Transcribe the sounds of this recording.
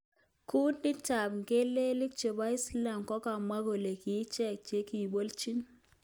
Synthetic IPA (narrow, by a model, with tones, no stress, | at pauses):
ku˦nɪ˦t͡ʃa˨pŋke˦le˦lɪ˦k̚t͡ʃe˨ba˦ɪ˦sla˨mkɔ˦ka˨mwa˦ko˨le˨ki˨˦t͡ʃɛ˦˨k̚t͡ʃe˦ki˨bo˦lt͡ʃi˦n